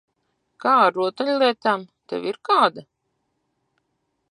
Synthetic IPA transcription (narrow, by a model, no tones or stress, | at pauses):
kaːaɾuɔt̪alʲlˠiɛt̪amt̪ɛ̰wiɾkaːd̪a